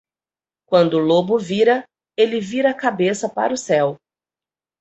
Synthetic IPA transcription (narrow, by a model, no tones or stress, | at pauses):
kwɐ̃nd̪ʊlobʊviɾɐ | elɪviɾɐakabesɐpa̰ɾʊsɛw